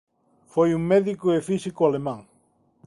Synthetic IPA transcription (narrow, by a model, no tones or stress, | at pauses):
fojuŋmeðikoefisikoalemãŋ